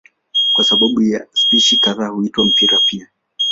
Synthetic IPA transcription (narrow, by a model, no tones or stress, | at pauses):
kwasaɓaɓujaspiʃitaɾahuitwam̩piɾapia